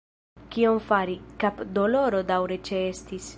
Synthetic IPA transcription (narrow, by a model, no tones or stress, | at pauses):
kio̞mfaɾikapd̪olo̞ɾo̞dawɾe̞t͡ʃeestis